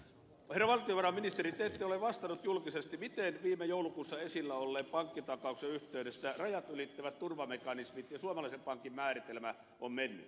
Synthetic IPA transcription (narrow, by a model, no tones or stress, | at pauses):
herːɑʋɑlt̪ioʋɑrɑmminist̪erit̪eːt̪ːeoleʋʋɑst̪ɑnut̪julkisest̪imit̪enʋiːmejoˑulukuːsːɑesilːæolːeːppɑŋkːit̪ɑkɑˑukseyht̪eyɾesːærɑjɑt̪ylit̪ːæʋæt̪t̪urʋɑmekɑnismit̪jɑsuɑmɑlɑisempɑŋkimmæːrit̪elmæ | ommenːy̰